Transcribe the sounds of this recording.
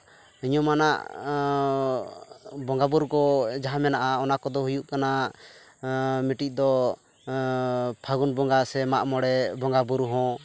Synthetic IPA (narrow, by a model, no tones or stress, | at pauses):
iɲɔmanaʔ | bɔŋɡabuɾkɔd͡ʒaɦamɛnaʔaɔnakɔd̪ɔɦujuʔkana | miʈic̚d̪ɔ | pʰaɡunbɔŋɡasɛmaʔmɔɽɛbɔŋɡabuɾɦɔ̃